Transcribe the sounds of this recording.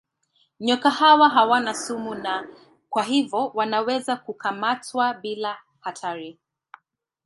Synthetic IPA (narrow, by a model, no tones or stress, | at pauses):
ɲɔkahawaɦawanasumuna | kwaɦivɔwanawɛzakukamatwabila | hatʰaɾi